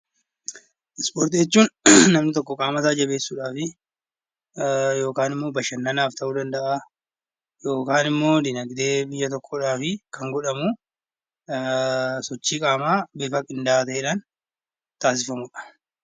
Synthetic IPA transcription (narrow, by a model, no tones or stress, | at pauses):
ʔɪspoːɾt̪ɪjɛt͡ʃːuːnːɐmnɪt̪ɔkːɔkʼaːmɐsaːd͡ʒɐbe̞ːsːuːᶑaːfɪ | jo̞ːkaːnɪmːo̞ːbɐʃɐnːɐnaːft̪ʰɐʔuːd̪ɐnd̪ɐʔa | jo̞ːkaːnɪmːo̞ːd̪ɪnɐɡd̪e̞ːbɪjːɐt̪ɔkːɔᶑaːfɪkɐŋɡɔᶑɐmu | sɔt͡ʃːiːkʼaːmaːbeːfɐkʼɪnd̪ɐʔaːt̪ɐʔeːᶑan | t̪aːs̬ɪfɐmʊᶑɐ̥